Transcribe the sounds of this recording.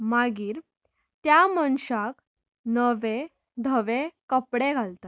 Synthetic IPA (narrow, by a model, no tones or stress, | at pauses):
maɡiːɾ | t̪jaməɳɕak | nəʋe | d̪ʱəʋekəpɽeɡʱalt̪at̪